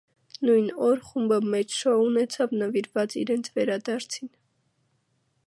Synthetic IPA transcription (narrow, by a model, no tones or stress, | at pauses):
nujnɔɾχumbəmɛt͡ʃʰʃɔunɛt͡sʰɑvnəviɾvɑt͡sḭɾɛnt͡sʰvɛɾɑd̪ɑɾt͡sʰin